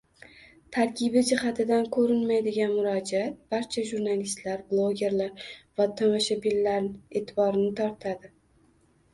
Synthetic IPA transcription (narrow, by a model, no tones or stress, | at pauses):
t̪ʰaɾkʲɪbɪd͡ʒɪhat̪ʰɪd̪ankʰɵɾɪnmajd̪ɪɡʲanmʊɾɒd͡ʒiat̪̚b̥aɾt͡ʃʰaʒuɾnalist̪laɾblˠoɡʲe̞ɾlaɾvat̪ʰamoʃabilːaɾnɪet̪ʰɪbɒɾɪnɪt̪ʰɒɾt̪ʰad̪ɪ